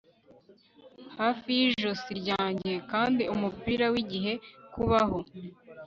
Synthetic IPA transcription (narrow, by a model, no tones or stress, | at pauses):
haːfijiʒosiɾɟaːɲɟe̞kaːndiumupiːɾawiɟiɦe̞kuβaho